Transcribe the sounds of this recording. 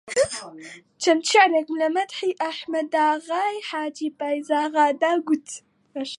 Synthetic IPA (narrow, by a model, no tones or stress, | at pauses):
t͡ʃɐmt̪ʃaʕɾekmlɐmɐd̪ħiʔaħmɐd̪aːɣajħaːd͡ʒibajzaːɣaːd̪aɡut̪ | ʃ